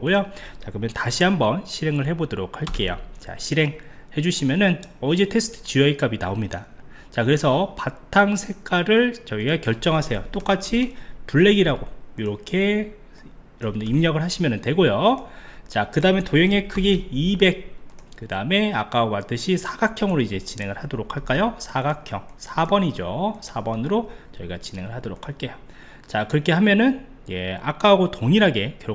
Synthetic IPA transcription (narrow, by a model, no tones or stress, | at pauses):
ojot͡ɕakɯɾʌmjʌntaɕʰiɦambʌnɕʰiɾe̞ŋɯɭɦe̞bodoɾok̚ʰhaɭk͈e̞jo̰t͡ɕa̰ɕʰiɾe̞ŋhe̞d͡ʑuɕʰimjʌnɯnʌd͡ʑe̞tʰe̞sʰɯ̥tʰɯ̥t͡ɕiʌik͈abina̰omɲida | t͡ɕakɯɾe̞sʰʌpatʰːaŋsʰe̞k͈aɾɯɭt͡ɕʌiɡakjʌɭt͡ɕ͈ʌŋɦasʰe̞jot͈ok͈at͡ɕʰipuɭːe̞ɡiɾaɡojiɾʌkʰe̞ | ɾʌbɯndeimɲʌɡɯɭɦhaɕʰimjʌnɯntwe̞ɡojo | t͡ɕakɯdaɯme̞tojeŋe̞kʰɯɡiibe̞k̚k͈ɯdaɯme̞ak͈awat͈ɯɕʰisʰaɡ̥akʰjʌŋɯɾoid͡ʑe̞t͡ɕine̞ŋɯɭhadoɾokʰaɭk͈ajosʰaɡakʰjʌŋsʰabʌɲid͡ʑosʰabʌnɯɾot͡ɕʌiɡat͡ɕine̞ŋɯɭhadoɾok̚ʰaɭk͈e̞jo | t͡ɕakɯɾʌkʰe̞ɦamjʌnɯn | je̞̰a̰k͈aːɡotoŋiɾaɡe̞kʌ